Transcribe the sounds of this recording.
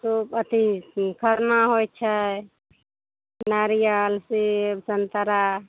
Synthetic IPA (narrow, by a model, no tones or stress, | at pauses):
supət̪ikʰəɾnaɦojt͡ʃʰə | naɾijalsisənt̪əɾa